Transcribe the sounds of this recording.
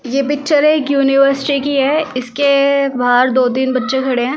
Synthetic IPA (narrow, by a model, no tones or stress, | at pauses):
jeːpɪk̚t͡ʃəɾeːkjuːnɪʋəɾsɪʈikiɦɛɪskebaːɾd̪oːt̪̬iːnbɐtːʃekʰɐɽeɦɛ̃ː